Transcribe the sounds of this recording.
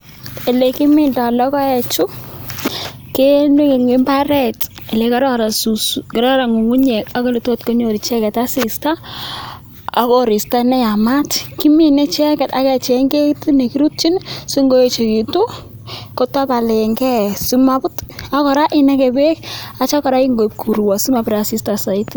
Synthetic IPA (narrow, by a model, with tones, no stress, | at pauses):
e˨le˨ki˦mɪ˨nda˨lɔ˦kɔ˦ɛ˨t͡ʃʊ˦ | ke˦ne˦ke˨ŋe˦mba˦ɾɛ˨te˨le˨˦ka˦ɾɔ˦ɾasuskɪɾɔ˦ɾa˨ŋu˨ŋu˦ɲe˨ka˦ko˦li˨to˦tko˦ɲo˨ɾi˨t͡ʃɛ˦kɛ˨ta˦sɪ˨sta˦ | a̰˦kɔɾɪ˨sta˦nɛ˦ja˨ma˦tki˦mi˦nɛ˦t͡ʃɛ˦kɛ˨ta˨kɛ˨t͡ʃɛ˨ŋɡe˦ti˦ne˨ki˦ɾu˦t̚t͡ʃi˦nsu˦ŋɡo˦e˨t͡ʃe˨ki˨tu˦ | ko˦ta˦pa˨le˨ŋɡɛ˦su˦ma˨bʊ˦ta˦kɔ˨ɾa˦ʔɪ˦nɛ˦kɛ˨be˦k̚a˦t͡ʃa˦kɔ˨ɾa˦i˦ŋɡo˨p̚kʰu˨ɾwa˨su˦ma˨pɾasi˦sta˨sa˨i˦t